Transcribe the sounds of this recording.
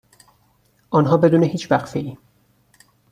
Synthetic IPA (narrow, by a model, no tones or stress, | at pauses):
ʔɒːnɦɒːbe̞d̪uːne̞hiːt͡ʃʰvæɣfe̞ʔiː